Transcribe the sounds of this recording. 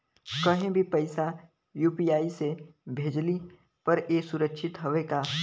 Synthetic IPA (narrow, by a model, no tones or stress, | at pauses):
kɐɦẽbʱipɐɪsa | juːpijaːisebʱeːd͡ʒli | pɐɾeːsʊɾəkʃʰɪt̪ɦɐʋeka